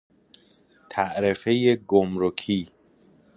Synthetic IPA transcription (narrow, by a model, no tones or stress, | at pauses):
t̪ʰæʔɾefejeɡomɾokʰiː